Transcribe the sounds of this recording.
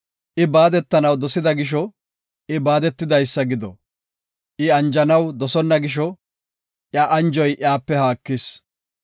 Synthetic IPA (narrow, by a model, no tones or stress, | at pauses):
ʔɪbaːd̪ɛt̪ːɐnɐwd̪ɔsɪd̪ɐɡɪʃ̬ɔ | ʔɪbaːd̪ɛt̪ːɪd̪ɐjsːɐɡɪd̪ɔ | ʔɪɐnd͡ʒɐnɐwd̪ɔsɔnːɐɡɪʃ̬ɔ | ʔjaːʔɐnd͡ʒɔjʔɪaːpːɛhaːkːɪs